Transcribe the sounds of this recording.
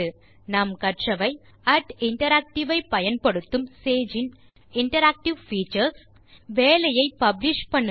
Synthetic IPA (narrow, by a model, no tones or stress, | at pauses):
ɯ | naːmkɐʈʂɐʋɐɪ | ɐʈɪɳʈɐɾaːk̚ʈɪʋɐɪpɐjɐnpɐɽɯt̪ːɯmseːd͡ʒɪn | ɪɳʈɐɾaːk̚ʈɪʋfiːt͡ʃːɐɾs | ʋeːlɐjɐɪpɐblɪʂpɐɳːɯ